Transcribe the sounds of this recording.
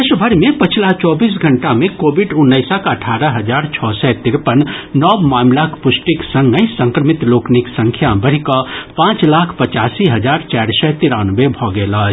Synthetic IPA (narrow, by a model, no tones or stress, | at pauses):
esbʱəɾmẽpət͡ʃʰilat͡ʃɔːbiːs̬ɡʱəɳʈamẽkoːbiɖunːəɪsəkəʈʰaɾəɦəd͡ʒaɾt͡ʃʰɔsɛt̪iɾpənnɔbmaːmlakpʊsʈiksə̃ŋɡəisə̃ŋkɾəmit̪lokniksə̃ŋkʰjabəɽ̤ikəpãːt͡ʃlakʰpət͡ʃaːsiɦəd͡ʒaɾt͡ʃaɾsɛt̪iɾanəbebʱɔɡelə